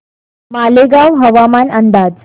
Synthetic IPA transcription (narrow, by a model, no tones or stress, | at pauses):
maleɡawɦəʋamanənd̪aːd͡ʑ